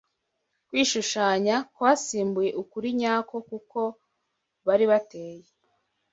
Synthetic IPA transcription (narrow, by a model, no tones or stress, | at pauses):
kwiːʃuʃaːɲakwaːsiːmbuje̞ʔukuɾiɲaːko̞kuko̞ | βaɾiβateːje